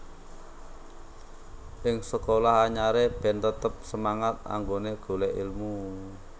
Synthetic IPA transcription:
ʔɪŋsəkolahaɲaɾeb̥ɛ̤nt̪ət̪əp̚səmaŋat̪̚a̰ŋɡoneɡ̥o̤lɛʔilmu

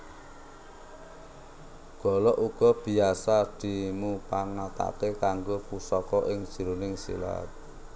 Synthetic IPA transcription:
ɡ̥ɔ̤lɔʔuɡ̥ɔ̤b̥i̤asad̪̥i̤mupaŋat̪a̰kekaŋɡopusɔkɔʔɪŋd̥ʒ̥i̤ɾunɪŋsḭla̰t̪̚

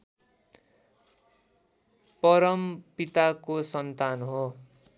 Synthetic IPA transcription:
pʌɾʌmpit̪akosʌnt̪anɦo

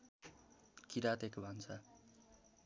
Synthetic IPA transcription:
kiɾad̪ekobʱʌnt͡sʰʌ

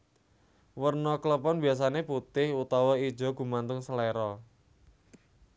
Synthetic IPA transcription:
wərnɔklɔpɔnbias̬aneput̪ɪhut̪ɔwɔid̥ʒ̥ɔ̤ɡ̥ṳmant̪ʊŋsəlɛɾɔ

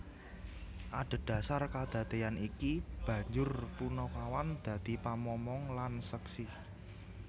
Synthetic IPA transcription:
ʔaɖ̪̥a̤d̪̥a̤sarkad̪̥ä̤t̪eanikib̥ä̤ɲd͡ʒʊrpunokawand̪̥ä̤d̪̥i̤pamɔmɔŋlansəksi

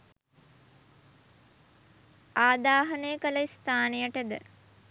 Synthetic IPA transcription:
aːd̪aːɦɐnejəkələist̪aːnejəʈəd̪ə

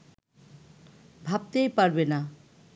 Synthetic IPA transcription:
bʱab̚t̪ejpaɾbena

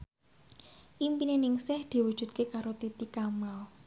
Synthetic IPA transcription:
ʔimpinenɪŋsɪhd̪̥i̤wu̥ʒ̥ṳd̪̚kekaɾot̪it̪ikamal

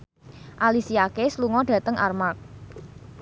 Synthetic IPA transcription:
ʔalisiakesluŋɔɖ̥ä̤t̪əŋʔa̰rmak̚

